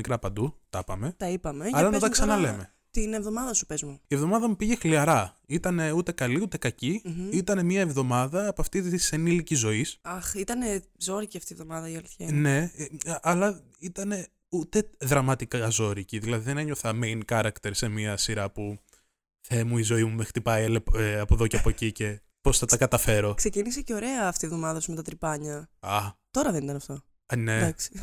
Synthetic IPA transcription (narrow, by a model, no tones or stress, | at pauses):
mikɾɐpɐnd̪ut̪ɐpɐme̞t̪ɐipɐmeɐlɐnot̪ɐksɐnɐle̞me̞ | t̪inevðo̞mɐðɐsu̥pezmuievðo̞mɐðɐmupiʝe̞xliɐɾɐ | it̪ɐne̞ut̪e̞kɐliut̪e̞kɐciit̪ɐne̞miɐevðo̞mɐðɐːpoɐft̪itisenilicizo̞isɐxit̪ɐne | zoɾiciɐft̪ievðo̞mɐðɐiɐliθçɐne̞ʔɐlɐ | it̪ɐne̞ | ut̪e̞ðɾɐmɐt̪ikɐzo̞ɾiciðilɐðiðe̞neɲo̞θɐmejnkɐɾɐkt̪eɾse̞miɐsiɾɐpu | θe̞muizo̞imumexɾit̪ipɐjelepɐpo̞ðo̞ceɐpo̞cice̞ | po̞sθɐt̪ɐkɐt̪ɐfe̞ɾo̞kse̞cinise̞ceo̞ɾe̞ɐːft̪ievðo̞mɐðɐsume̞t̪ɐt̪ɾipɐɲɐɐt̪o̞ɾɐðenit̪ɐnɐft̪o | ne̞d̪ɐksi̥